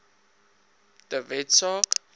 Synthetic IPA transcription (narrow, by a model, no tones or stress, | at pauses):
d̪̥əvɛtsɔk